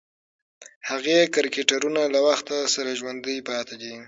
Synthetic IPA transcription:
haɣekaɾkeʈaɾunalawaxt̪asaɾaʒwand̪əjpɑt̪ad̪i

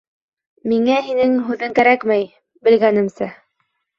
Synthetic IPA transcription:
miŋæɦinɘŋɦʉðɘŋkæɾækmæj | bɘ̆lɡænɘ̆msæ

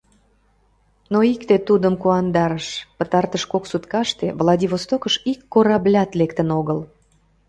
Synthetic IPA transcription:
noikt̪et̪ud̪əmkuɑnd̪ɑɾəʃpət̪ɑrt̪əʃkoksut̪kɑʃt̪evlˠɑd̪ʲiβost̪okəʃikːoɾɑblʲɑt̪lek̚t̪ənoɣəl

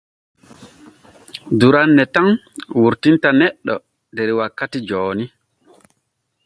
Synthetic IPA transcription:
duɾanːɛtaŋ | wuɾtintanɛɗːɔ̰ | dɛɾiwakːatid͡ʒɔːni

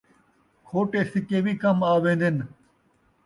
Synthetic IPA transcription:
kʰoːʈeːsɪkeːʋikɐmaːʋẽːnd̪ɪn

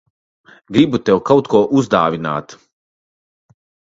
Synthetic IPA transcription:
ɡɾibut̪ɛwkawt̪kuɔʔuzd̪aːvʲina̰ːt̪

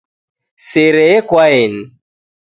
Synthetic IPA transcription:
seɾɛekwaen̩

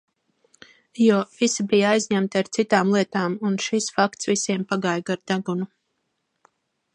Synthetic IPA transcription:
juɔv̥isibijaajzʲɲæmt̪iaɾt̪sit̪aːmlˠiɛt̪aːmunʃisfakt̪svisʲiɛmpaɡajɡaɾd̪aɡunu

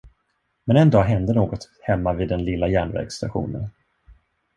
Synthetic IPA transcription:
mɛnɛnd̪ɑːɦɛnd̪ənoːɡɔt̪ | hɛmːaviːd̪ːɛnlɪlːajæːɳvɛ̰ɾɡsːt̪a̰ɧṵːnə̰n

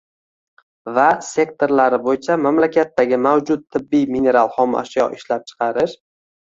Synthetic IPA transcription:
vase̞kt̪ʰo̞ɾlaɾɪbojɪt͡ʃʰamamlakʲʰat̪ːaɡʲɪmawd͡ʒʊt̪̚t̪ʰːɪbːijmine̞ɾalˠχɒma̰ʃjɒ̰ʔɪʃlap̚t͡ʃʰɨ̥qʰɑɾɪʃ

